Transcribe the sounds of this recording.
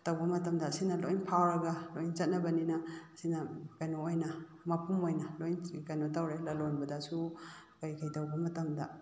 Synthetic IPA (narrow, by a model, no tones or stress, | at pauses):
tawbɐmɐtɐmdɐsinɐlojnpʰawɾɐɡɐlojnt͡ʃɐt̚nɐbɐninɐsinɐkajnoːjnɐ | mɐpumojnɐlojnkajnotawɾelɐlonbɐdɐsu | kajkʰajdawbɐmɐtɐmdɐ